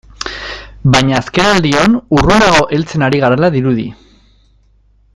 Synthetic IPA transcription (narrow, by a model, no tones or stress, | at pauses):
baɲaːske̞nald̪io̞nurud̪aɣo̞ʔe̞lt͡se̞naɾiɣaɾelaðiɾuðḭ